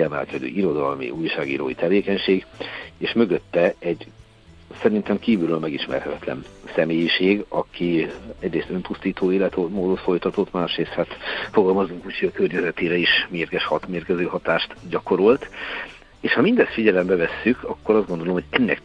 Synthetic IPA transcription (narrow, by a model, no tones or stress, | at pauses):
ɛmɛ̰lkɛd̪ø̰ːʔiɾo̞d̪ɒlmḭʔujʃaːɡḭːɾo̰ːjit̪ɛveːkɛɲʃeːɡeːʃmø̞ɡøt̪ːɛɛɟ | sɛɾint̪ɛmkiːvylylmɛɡiʃmɛ̰rhɛt̪ɛt̪lɛ̰nsɛmeːjiʃeːɡɒkʰiɛɟreːst̪ø̞npust̪iːt̪oːeːlɛt̪omoːd̪ot̪fo̞jt̪ɒt̪ot̪maːʃreːst̪hat̪fo̞ɡɒlmɒzuŋkucʰiɒkørɲɛzɛt̪eːɾɛeːʃmeːrɡɛʃhɒt̪meːrkɛzøːhɒt̪aːʃt̪ɟɒko̞ɾo̞lt̪ | eːʃhɒmind̪ɛst̪fiɟɛlɛmbɛvɛsːykʰɒkːo̞ɾɒzdɡo̞nd̪olomhoɟɛnːɛ̰k